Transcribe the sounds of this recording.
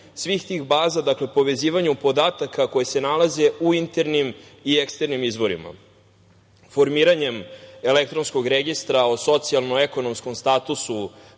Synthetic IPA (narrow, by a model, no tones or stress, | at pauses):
sʋixt̪ixbaːzad̪akle̞po̞ʋe̞ziːʋaɲupo̞d̪aːt̪akʰako̞jese̞nalaze̞uint̪e̞ɾnimiekst̪e̞ɾnimizʋo̞ɾḭma̰ | fo̞ɾmiːɾaɲe̞me̞lek̚t̪ɾonskoɡɾeɡist̪ɾao̞so̞t̪sialˠnoeko̞no̞msko̞mst̪aːt̪usu